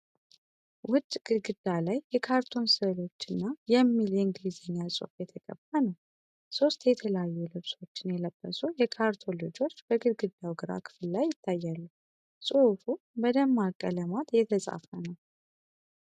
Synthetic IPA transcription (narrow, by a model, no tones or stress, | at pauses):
wʊd̪ɡ̥ɨɡɨd̪ːalajːɛkʰaɾt̪ʰo̞nsəlo̞t͡ʃːɨnːajɛmːileɨŋɡlizeɲːasʼɨ̰fjɛt̪ʰəkʼə̰bːanəw | so̞st̪jɛt̪ʰələjajːulɨβso̞t͡ʃːɪnjɛləb̥ːəsujɛkʰaɾt̪ʰo̞lod͡ʒo̞t͡ʃːb̥əɡɨd̪ɡɨd̪ːawɡɨɾa̰kʰɨ̥fɨllajːɪt̪ʰːajːalːə | sʼuhfu | bəd̪əmːakʼːələmat̪jɛt̪ʰəsʼa̰fənəw